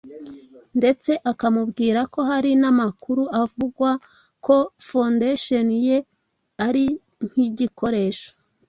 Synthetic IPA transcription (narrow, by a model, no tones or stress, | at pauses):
nde̞t͡se̞ʔakamubɡiːɾako̞ɦaɾinamakuɾuʔavuɡwa | ko̞fondeʃonije̞ | aɾi | n̥hiɟiko̞ɾe̞ːʃo̥